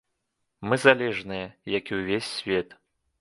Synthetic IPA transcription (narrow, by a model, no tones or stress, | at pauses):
mɨzalʲɛʐnɨjɐjɐkiwvʲesʲːvʲɛt̪